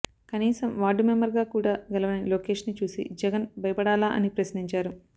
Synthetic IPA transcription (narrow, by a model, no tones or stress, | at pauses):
kɐniːsɐmʋaːɖumembɐɾɡaːkuːɽaːɡɐlɐʋɐniloːkeːʂnit͡ʃuːsḭd͡ʒɛɡɐnbʱɐjɐpɐɽaːlaːʔɐ̰nipɾɐsniɲt͡ʃaːɾu